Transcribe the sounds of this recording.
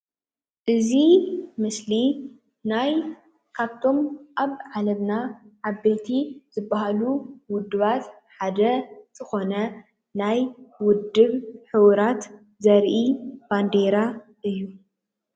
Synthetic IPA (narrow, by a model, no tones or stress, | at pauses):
ʔɨzimɨsli | naj | kʰaβt̪ʰo̞mʔaβʕalɐβnaʕaβːe̞t̪ʰiz̥ɨbːahaluwʊd̪ːɨβat̪ | ħad̪ɐz̥ɨxo̞nɐ | najwʊd̪ːɨβħɨwɾat̪ | zɐɾʔib̥and̪eɾa | ʔɨjːu